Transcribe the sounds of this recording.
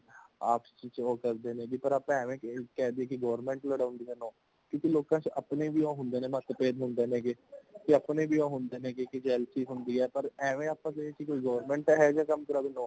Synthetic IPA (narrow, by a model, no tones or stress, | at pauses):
aːpt͡ʃiːt͡ʃoːkəɾd̪eːnɛ̃ːɡipəɾaːpɛːʋẽːkkɛːd̪iːɛːkɪɡɔːɾmɛ̃ːɳʈləɽaːʊ̃ːnd̪iːɦɛːnɔ̃ː | kjõːkiloːkãːt͡ʃʔəpnebʱiːõːɦʊ̃nd̪eːnɛ̃ːmət̪əpeːd̪ɦʊ̃nd̪eːnɛ̃ːɡekɪəpneːbʱiːõːɦʊnd̪eːnɛ̃ːkekɪd͡ʒɛːlsiːɦʊnd̪iːɛːpəɾɛːʋẽaːpːəseekikoːiːɡɔːʋɾmɛ̃ːɳʈːɦɛːd͡ʒãːkəmkəɾaːbinɔ̃ː